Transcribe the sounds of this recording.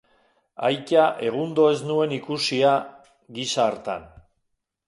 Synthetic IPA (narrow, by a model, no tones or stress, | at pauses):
a̰jcaʔe̞ɣ̞und̪o̞e̞znue̞nikusia | ɣisaːɾt̪a̰n